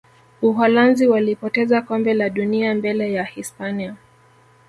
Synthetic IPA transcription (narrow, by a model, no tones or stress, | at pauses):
uɦɔlanziwalipɔtɛzakɔmbɛlaɗuniambɛlɛjahispania